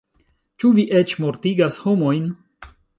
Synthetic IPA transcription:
t͡ʃuviʔet͡ʃmoɾtiɡashomo̞jn

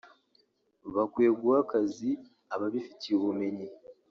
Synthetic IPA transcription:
βakweːɡuakazi | aβaβifitʰiβume̞ɲi

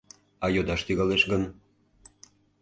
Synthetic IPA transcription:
ɑjod̪ɑʃt̪yɣɑleʃɣən

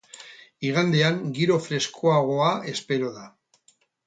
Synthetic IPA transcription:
iɣ̞and̪e̞aŋɡiɾo̞fɾe̞skʰoaɣ̞o̞ae̞spe̞ɾo̞ða

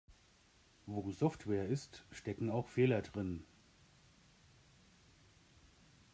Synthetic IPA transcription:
voːzɔftv̥ɛːɐɪstʃtɛkŋ̩aʊxfeːlɐdʁɪn

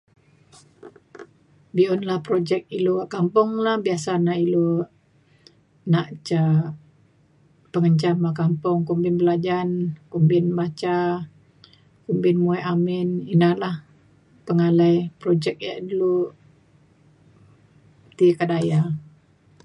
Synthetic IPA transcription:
biɔnlahpɾod͡ʒɛk̚iloaʔkampʊŋlahbiasanaʔilo | naʔt͡ʃa | pəŋəɲt͡ʃamakampʊŋkumbɪnbəlad͡ʒankumbɪnbat͡ʃa | kumbɪnmuɛʔamɪninahlah | pəŋalajpɾod͡ʒɛk̚ja̰ʔdulu | t̪ikadaja

